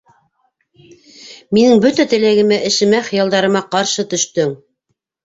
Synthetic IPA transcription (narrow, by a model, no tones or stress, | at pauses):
minɘŋbɵt̪æt̪ɘ̆læɡɘ̆mæʔɘ̆ʃɘ̆mæχɤ̆jɑlˠd̪ɑɾɤ̆mɑqɑɾʃɤt̪ɵ̆ʃt̪ɵŋ